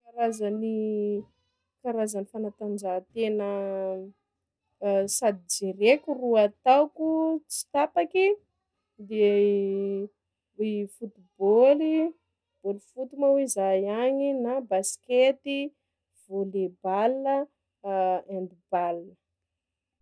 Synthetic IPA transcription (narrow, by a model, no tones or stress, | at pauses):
kaɾazani | kaɾazanifanat̪and͡ʒat̪enə | sad̪id͡zeɾekʲuruat̪awkut͡si̥t̪apaki | d̪e | ifut̪iboli | b̥olifut̪umawizajaɲinabasket̪i | v̥olebalə | and̪ibalnə